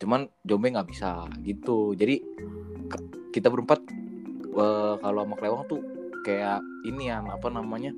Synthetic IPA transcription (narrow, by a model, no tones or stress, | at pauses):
t͡ʃuman | d͡ʒombeŋɡaʔbisa̰ɡit̪ud͡ʒadika | kit̪abəɾəmpat̪̚ | əkaloamaklewaŋt̪ukajaʔ | inianapanamaɲa